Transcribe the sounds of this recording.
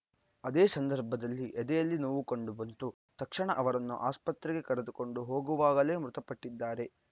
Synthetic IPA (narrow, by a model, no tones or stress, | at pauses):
ɐd̪eːsɐnd̪ɐɾbʱɐd̪ɐlːiʔɛd̪ɛjɐlːinoːʋukoɳɖubɐnt̪u | t̪ɐkʂɐɳɐʔɐʋɐɾɐnːṵʔaːspɐt̪ɾɛɡe̞kɐɾed̪uko̞ɳɖuɦo̞ːɡuʋaːɡɐle̞ːmɾut̪ɐpɐʈːid̪ːaːɾe̞